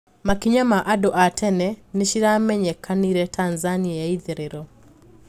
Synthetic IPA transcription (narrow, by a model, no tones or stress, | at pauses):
makiɲamaʔadoʔatʰɛnɛneʃiɾamɛɲɛkʰaniɾɛtʰanzaniaaiðeɾeɾɔ